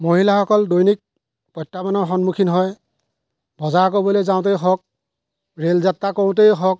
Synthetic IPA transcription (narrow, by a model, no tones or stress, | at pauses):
moɦilaxɔkɔldojnik̚ | pɔjtːamanɔɹxɔnmukʰinɦɔj | bʱɔzak̬obɔlezaʊ̃t̬ejxɔk̚ | ɹelzatːakɔʊ̃t̬ejɦɔk̚